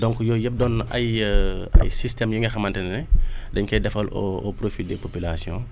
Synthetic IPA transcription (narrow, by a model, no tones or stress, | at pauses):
dɔŋkujɔːjɛp̚dɔnɐjɐ̰jsistɛmjuŋɛxɐmɐntɛnnɛdɛɲkɛdɛfɐlɔ̰ɔ̰pɾofidɛpopylasjɔ̰̃